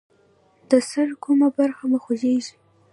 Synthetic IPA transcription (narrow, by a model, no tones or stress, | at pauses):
d̪̥əsəɽkʰumabaɾxaməxozeʒi